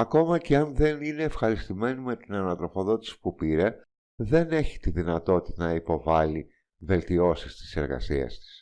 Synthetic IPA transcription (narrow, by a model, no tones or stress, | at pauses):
ɐko̞mɐce̞ɐnðe̞nine̞ːfxɐɾist̪ime̞nime̞t̪inɐnɐt̪ɾo̞fo̞ðo̞t̪i̥si̥pupiɾe̞ | ðe̞ne̞çi̥t̪iðinɐt̪o̞t̪i̥t̪ɐnɐipo̞vɐli | ve̞lt̪io̞sist̪i̥se̞ɾɣɐ̰sḭɐ̰st̪i̥s